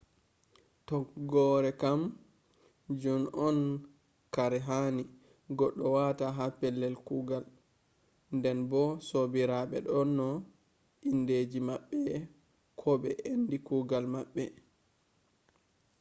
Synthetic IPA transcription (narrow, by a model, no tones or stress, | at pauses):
tɔɡɔɾɛkam | d͡ʒɔnɔn | kaɾɛɦani | ɡɔɗːɔwataɦapɛlːɛlkuɡal | ndɛnbɔsobiɾaɓɛ̰ɗɔnːɔ | ʔinded͡ʒimaɓːɛ | kʰɔɓɛʔendikuɡalmaɓːɛ